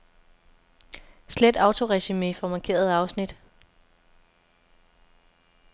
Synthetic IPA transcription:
sled̥ɑ̈ʊt͡sʰo̝ʁɛɕimifɒ̽mɑ̈ŋkʰe̝̰ːɐð̞ˠɑ̈ʊsnid̥

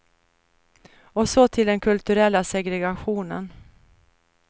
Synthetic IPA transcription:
ɔsɔt̪ʰɪld̪ɛnkʰɵlt̪ɵɾɛlːasɛɡɾɛɡaɧuːnə̰n

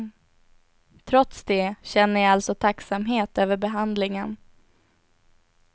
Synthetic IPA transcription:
t̪ʰɾɔt̪sd̪ɛɕɛnːəjaalt̪sɔt̪ʰaksamɦeːt̪øːvəɾbɛɦand̪lɪŋən

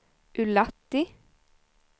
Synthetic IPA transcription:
ʔʉlɑt̪ɪ

